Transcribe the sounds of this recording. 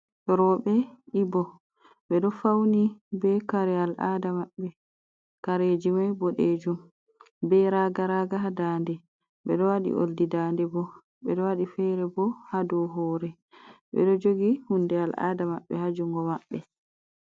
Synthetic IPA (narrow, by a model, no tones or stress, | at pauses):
ɾɔɓɛibɔ | ɓɛɗɔfawnibɛkaɾɛalʔa̰ːdamaɓːɛ | kaɾed͡ʒimajboɗed͡ʒum | bɛɾaɡaɾaɡaɦadaːndɛ | ɓɛɗɔwaɗḭʔo̰ldidaːndɛbɔ | bɛɗɔwaɗifɛɾɛbɔhadɔɦɔːɾɛ | ɓɛ̰ɗɔd͡ʒoɡihundɛalʔa̰ːdamaɓːɛhad͡ʒuŋɡɔmaɓːɛ